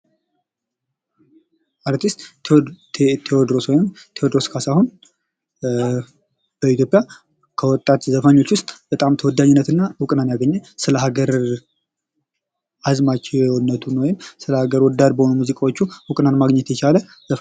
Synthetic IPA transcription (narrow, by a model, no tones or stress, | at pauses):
ʔaɾt̪ʰist̪ | t̪ʰewɔd̪ɾoswɔjɪmt̪ʰewɔd̪ɾoskʰasahun | b̥əit̪ʰjopʼja | kʰəwɔt̪ʼːat̪zəfaɲːo̞t͡ʃːwʊst̪ʼb̥ət̪ʼamt̪ʰəwɔd̪aɲːɪnːət̪ɨnːawʊkʼnanjaɡəɲːɛsɨləɦaɡəɾ | azmat͡ʃʼenːət̪ʰunːwɔjɪmsɨləhaɡəɾwɔd̪ːad̪bəho̞numuzikʼawot͡ʃːuhʊkʼnanmaɡɲɛt̪jɛt͡ʃʰalə | zəf